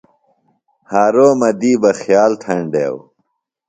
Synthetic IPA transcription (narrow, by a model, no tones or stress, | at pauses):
haːɾoːmɐd̪iːbɐxjaːlt̪ʰɐɳɖḛːw